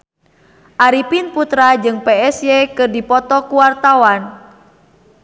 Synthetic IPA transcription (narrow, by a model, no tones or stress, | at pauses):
ʔaɾipinput̪ɾad͡ʒɨŋpeɛsjekɨrdipɔt̪ɔkuwart̪awan